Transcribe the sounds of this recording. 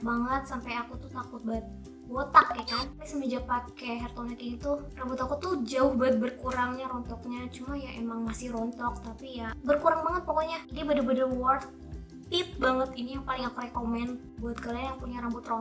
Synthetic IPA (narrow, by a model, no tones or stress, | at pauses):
baŋət̪̚sampajakut̪ut̪akʊt̪̚bait̪̚ | bot̪akjakanpasəmid͡ʒapakeɦɛrt̪onɛkinit̪urambʊt̪akut̪ud͡ʒaʊhbaɪt̪̚bərkuɾaŋɲaɾɔnt̪ɔk̚ɲat͡ʃumajaʔemaŋmasɪhɾɔnt̪ɔk̚t̪apijabərkuɾaŋbaŋət̪̚pɔkoɲad͡ʒadibadabadawɔrt̪̚ː | ɪp̚baŋət̪inijaŋpalɪŋakuɾekomɛn | buat̪̚kalajaŋpuɲaɾambʊt̪rɔn